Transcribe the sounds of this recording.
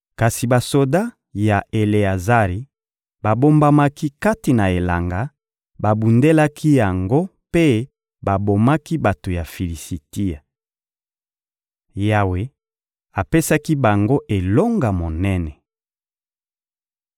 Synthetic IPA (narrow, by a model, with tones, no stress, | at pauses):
ka˨si˨ba˨so˨da˦ | ja˨e˨le˨a˨za˦ʁi˨ | ba˨bo˦mba˦ma˦ki˦ka˦ti˨na˨e˨la̰˨ŋɡa˦ | ba˨bu˨nde˦la˦kʰi˦ja˨ŋɡo˦ | pe˦ | ba˨bo˨ma˦ki˦ba˨to˨ja˨fi˨li˨si˨ti˦a˨ | ja˨we˨ | a˨pe˦sa˦ki˦ba˨ŋɡo˦ʔe˨lo˦ŋɡa˨mo˨nɛ˦nɛ˨